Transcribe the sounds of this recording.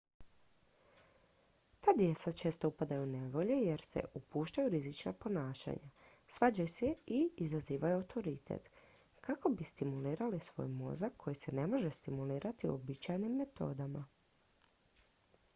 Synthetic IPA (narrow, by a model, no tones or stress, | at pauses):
t̪aːd̪je̞t̪sat͡ʃe̞ːst̪o̞upad̪ajune̞ʋo̞ʎe̞je̞ɾse̞̰ʔupuːʃt̪ajuɾizit͡ʃna̰po̞naːʃa̰ɲasʋaːd͡ʑajuseiizaziːʋajuawt̪ʰo̞ɾit̪ʰḛt̪ | kʰako̞bist̪imuliːɾalisʋo̞̰jmo̞̰zakʰːo̞jise̞ne̞mo̞ʒe̞st̪imuliːɾat̪iṵobit͡ʃajnimːe̞t̪o̞̰ːd̪ama